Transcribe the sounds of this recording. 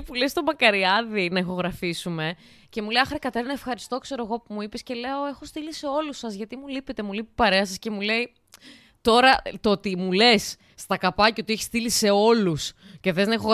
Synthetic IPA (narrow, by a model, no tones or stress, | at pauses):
pulest̪o̞mɐkɐɾiɐðinɐexo̞ɣɾɐfisume̞ | ce̞mulejɐxɾekɐt̪eɾnɐefxɐɾist̪o̞kse̞ɾo̞e̞ɣo̞pumuipesce̞le̞o̞e̞xo̞st̪ilise̞o̞lusɐzʝɐt̪imulipet̪e̞mulipipɐɾe̞ɐsɐsce̞mule̞i | t̪o̞ɾɐt̪oot̪imule̞sː | t̪ɐkɐpɐceot̪ieçist̪ilise̞o̞lusce̞θeznɐexoɣ